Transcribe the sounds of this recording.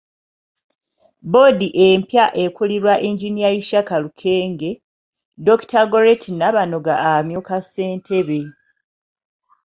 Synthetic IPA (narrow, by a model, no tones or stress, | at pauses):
bo̞diʔe̞mpjaʔe̞kuliɾwaʔiɲɟinijajiʃakalukʰe̞ːŋɡe̞ | do̞ktaɡoɾetʰinaβano̞ɡaːmjokasːe̞ːntʰe̞βe̞